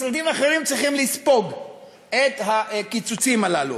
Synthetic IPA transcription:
sad̪imaχeʁimt͡sʁiχimlispo̞ɡ | et̪ɦakit͡sut͡simalalṵ

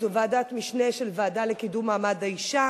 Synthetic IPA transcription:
vaːdat̪miʃneʃelvaadalekidumaːmadaiʃa

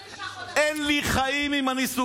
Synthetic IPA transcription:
ʔɛnliχaimimanisu

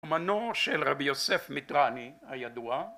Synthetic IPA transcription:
omanoʃelʁabijosefmitʁanihajad̪ua

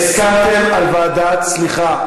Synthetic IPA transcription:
skat̪emalvaːd̪at̪t͡sliχa

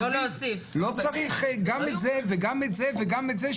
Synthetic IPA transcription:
oloosiflot͡saʁiχɡametzeveɡametzeveɡametzeʃ

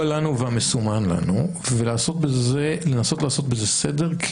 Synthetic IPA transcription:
lanuveamesumanla̰nu | velaːso̞t̪̚bezelenaso̞t̪laːso̞t̪̚beze̞sedeʁkʰ

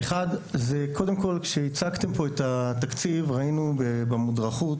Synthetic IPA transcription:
eχadzeko̞d̪emko̞lkʃeit͡sakt̪e̞mpo̞et̪at̪akt͡sivʁainubebemudʁaχut

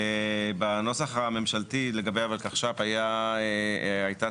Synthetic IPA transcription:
ebano̞saχame̞mʃaltile̞ɡabejavalkaχʃavajaeajta

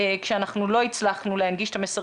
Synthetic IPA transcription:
kʃeanaχnulo̞it͡slaχnuleanɡiʃe̥t̪amesa

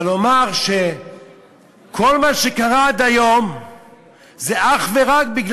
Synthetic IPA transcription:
lo̞maʁʃe | kʰo̞lmaʃekaʁad̪ajom | zeʔaχve̞ʁak̚biɡl

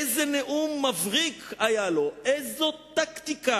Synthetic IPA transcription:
ezeneʔumːavʁikʰajalo̞ʔezot̪akt̪ika

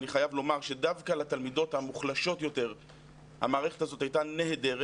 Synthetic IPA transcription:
niχajavlo̞maʁʃe̞davkalat̪almido̞thamuχlaʃo̞tjo̞te̞ʁ | ha̰maːʁe̞χetazo̞thajtaneɦedeʁ

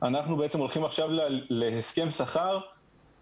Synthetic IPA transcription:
anaχnubeet͡se̞mo̞lχimaχʃavlleheske̞msaχaʁ

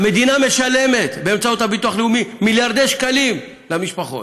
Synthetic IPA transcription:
me̞d̪iname̞ʃale̞me̞t̪be̞ːmt͡sauthabit̪uaχleumimiljaʁd̪eʃkalim | lamiʃpaχo̞̰t

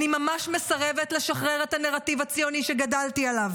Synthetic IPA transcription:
nimamaʃmesaʁevetleʃaχʁeʁethaneʁativat͡sjoniʃeɡadaltialav

